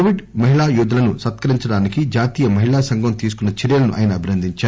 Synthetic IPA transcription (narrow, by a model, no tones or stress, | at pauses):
oʋiɖmɐɦiɭaːjuːd̪ɐlɐnusɐt̪kɐɾiɲt͡ʃɐɽaːnikid͡ʒaːt̪iːjɐmɐɦiɭaːsɐŋɡʱɐmt̪iːs̬u̥kunːɐt͡ʃɛɾjɐlɐnuʔa̰ːjɐnɐːbʱinɐnd̪ʱiɲt͡ʃaː